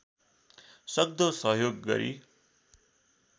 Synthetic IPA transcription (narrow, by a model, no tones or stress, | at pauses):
sʌɡ̚d̪osʌɦjoɡːʌ̰ɾḭ